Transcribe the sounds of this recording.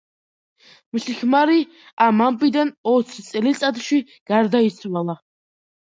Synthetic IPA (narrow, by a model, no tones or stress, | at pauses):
muɬixmaɾi | amampʼid̪anɔt̪sʰit̪sʼɛlit͡ssʼat̪ʰʼʃwi | ɡ̥aɾd̪aisʰʼwalˠa